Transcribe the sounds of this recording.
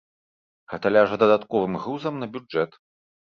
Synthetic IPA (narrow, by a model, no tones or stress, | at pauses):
ɣɛt̪ɐlʲaʐɐd̪ɐd̪at̪kɔvɨmɣɨwzɐmnɐbʲud͡ʐɛt̪